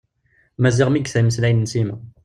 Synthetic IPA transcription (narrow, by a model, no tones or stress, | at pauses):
mæziʁmiɡθæməslʕinnsimæ